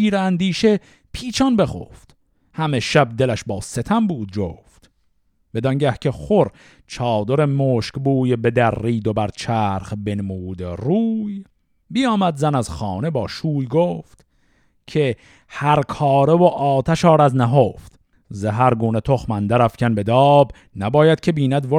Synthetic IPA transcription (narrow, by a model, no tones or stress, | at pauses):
ʃiːɾeænd̪iːʃe | pʰiːt͡ʃʰɒnbe̞χo̰ːft̪ | hæmeʃæb̚d̪e̞læʃbɒːset̪ʰæmbuːd̪̚d͡ʒoːft̪ | b̥e̞d̪ɒŋɟæhcʰeχoɾ | t͡ʃʰɒːd̪oɾemoːʃkbuːjebe̞d̪æɾːiːd̪obæɾt͡ʃʰæːɾχbenmuːd̪eruːj | bijɒːmæd̪zænæzχɑːne̞bɒːʃuːjɡoːft̪ | cʰe | hæɾkʰɒːɾevoʔɒːt̪ʰæʃɒːɾæznæɦoːft̪ | zeɦæɾɡuːnet̪ʰoχmænd̪æɾæfcʲʰænbe̞d̪ɒːb | næbɒːjæd̪̥̚cʰe̞biːnæd̪vo